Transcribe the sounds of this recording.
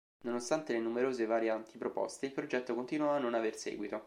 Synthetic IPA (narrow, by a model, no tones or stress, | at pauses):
nonost̪ant̪elenumeɾoːzevaːɾjant̪ʰipɾopo̰st̪eilpɾod͡ʒɛt̪ːokont̪inwɔanːonaversḛɡwit̪o